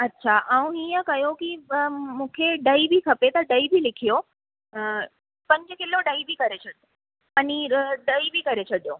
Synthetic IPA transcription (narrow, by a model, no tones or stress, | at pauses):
ɐtːʃʰaʔaũɦijəkɐjokimũːkʰeɖɐibʱikʰɐpet̪ɐɖɐibʱilɪkʰijo | pɐ̃ɲd͡ʑəkɪlːoɖɐibʱikɐɾet͡ɕʰɐɽjo | pɐniɖɐibʱikɐɾet͡ɕʰɐɽijo